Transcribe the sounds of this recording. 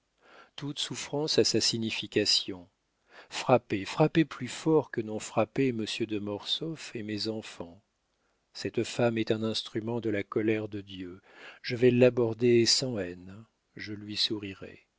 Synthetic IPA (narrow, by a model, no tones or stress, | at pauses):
t̪ut̪sufχɑ̃sasasiɲifikʲasjɔ̃ | fχapefχapeplyfɔʁkənɔ̃fχapeməsjød̪əmɔʁsɔfemezɑ̃fɑ̃ | sɛt̪famɛt̪ɛ̃nɛ̃st̪χymɑ̃d̪əlakɔlɛʁd̪əd̪jøʒəvɛlabɔʁd̪esɑ̃ɛn | ʒəlɥisuʁiʁɛ̰